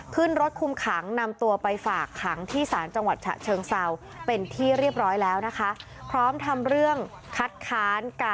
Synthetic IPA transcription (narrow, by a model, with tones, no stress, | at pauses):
kʰɯ˥˩nɾo˦˥t̪̚kʰu˧mkʰa˩˦ŋna˧mt̪u˧ɐpa˧jfaː˨˩kʰːa˩˦ŋt̪ʰiː˥˩saː˩˦nt͡ɕa˧ŋwa˨˩t̪̚t͡ɕʰa̰˨˩t͡ɕʰɤː˧ŋsa˧w | pe˧nt̪ʰiː˥˩ɾi˥˩əp̚ɾɔː˦˥jlɛː˦˥wna˦˥kʰa˦˥ | pʰɾɔː˦˥mt̪ʰa˧mɾɯ˥˩əŋ | kʰa˦˥t̪̚kʰaː˦˥nkaː˧